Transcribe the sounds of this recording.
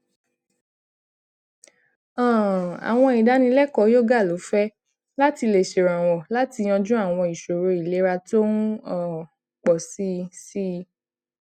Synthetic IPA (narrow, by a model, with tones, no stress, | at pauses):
ɔ̃˦˨a̰˨w̃ɔ̃˧i˨da˨˦nĩ˧lɛ˦kɔ˨˦jo˦ɡa˦˨lo˨˦fɛ˦ | la˦ti˧le˨ʃe˨ɾã˨w̃ɔ̃˨la˦ti˧j̃ɔ̃˧d͡ʒũ˦a˦˨w̃ɔ̃˧i˨ʃo˨ɾo˨˦i˨le˨˦ɾa˧to˦n̩˦ɔ˨ | k͡pɔ˨si˦si˦˧